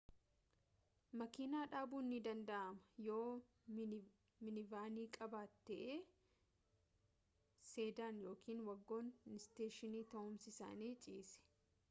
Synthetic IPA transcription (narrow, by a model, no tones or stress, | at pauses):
mɐkiːnaːᶑaːbuːnːɪd̪ɐnd̪ɐʔɐmɐ̥joː | mɪnɪvaːniːkʼɐbaːt̪ːɛʔeː | se̞ːd̪aːnjo̞ːkiːnwɐɡːo̞ːnɪst̪eːʃɪniːt̪ɐʊmsɪsa̰ːneːt͡ʃʼiːsɛ̥